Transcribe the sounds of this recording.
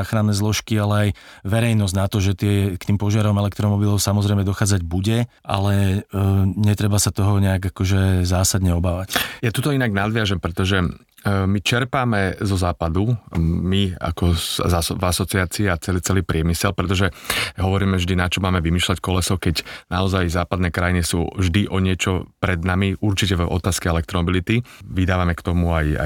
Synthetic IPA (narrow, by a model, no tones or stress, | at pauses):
aːxɾanːɛːzlˠɔʃkialɛaj | ʋɛɾɛjnɔzɟnat̪ɔʒɛt̪ɪɛkt̪iːmpɔʒɪaɾɔmɛlɛk̚t̪ɾɔmɔbilɔʊsamɔzɾɛjmɛd̪ɔxaːd͡zaɟbuɟɛ | ʔa̰lɛ | ɲɛt̪ɾɛbasat̪ɔɦɔɲɛaɡakɔʒɛzaːsad̪ɲɛɔbaːʋacjat̪ut̪ɔinaɡnad̪ʋɪaʒɛmpɾɛt̪ɔʒɛ | mit͡ʃɛɾpaːmɛzɔzaːpad̪umia̰kɔzasvasɔt͡siaːt͡siːat͡sɛlt͡sɛliːpɾɪɛmisɛlpɾɛt̪ɔʒɛɦɔʋɔɾiːmɛvʒd̪inat͡ʃɔmaːmɛʋimiːʃlackɔlɛsɔʊkɛɟnaɔzajzaːpad̪nɛjkɾajiɲɛsuːvʒd̪iʔɔɲɪɛt͡ʃɔpɾɛd̪namiʔuɾt͡ʃicɛvɔ̰t̪aːskɛɛlɛk̚t̪ɾɔmɔbilit̪iʋid̪aːʋamɛkt̪ɔmuaja̰